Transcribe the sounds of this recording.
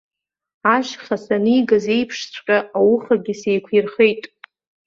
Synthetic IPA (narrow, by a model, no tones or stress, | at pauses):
aʒχasanɨiɡaze̞jpʰʂt͡sʷʰʼqʲʼaawʊχaɡʲɪsejkʷʰirχejtʼ